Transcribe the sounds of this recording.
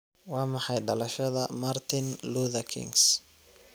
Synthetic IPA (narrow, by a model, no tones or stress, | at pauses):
wɑːmɑħɑjɖɐlɐʃɐðɐmɐrt̪ʰɪnluːðɐkʰɪ̰ŋs